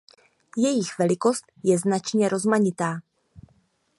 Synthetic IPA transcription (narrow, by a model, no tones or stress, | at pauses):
jɛjɪxvɛlɪko̞st̪jɛznat͡ʃɲɛɾʔo̞zmaɲɪt̪aː